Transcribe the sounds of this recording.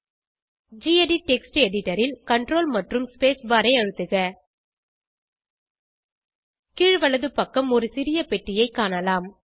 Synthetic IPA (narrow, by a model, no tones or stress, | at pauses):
d͡ʒiːɛɖiʈɛksʈɛɽɪʈːɐɾɪlkɐɳɖroːlmɐʈrɯmspeːsbaːɾɐɪɐɻɯt̪ːɯɣɐ | kiːɻʋɐɭɐðɯpːɐkːɐmɔɾɯsɪɾɪjɐpɛʈːɪjɐɪkːaːnɐlaːm